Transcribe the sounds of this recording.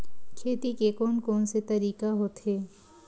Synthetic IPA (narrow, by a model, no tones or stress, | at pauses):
kʰet̪ikekonkɔnset̪əɾiːkaɦot̪ɦe